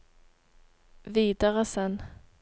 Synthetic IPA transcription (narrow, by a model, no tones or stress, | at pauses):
viːd̪aʁəsɛn